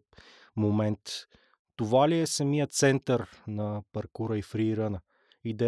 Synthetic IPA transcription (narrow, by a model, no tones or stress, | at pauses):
momɛnt̪ː | ovaliɛsɐmijət̪sɛnt̪əɾnɐpɐɾkuɾəifɾiːɾənə | id̪ɛ